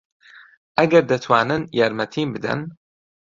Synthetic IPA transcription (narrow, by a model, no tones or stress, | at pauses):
ʔɐɡɐɾd̪ɐt̪ʰwaːnɨnjaːɾmɐt̪ʰiːnbɨd̪ɐ̰n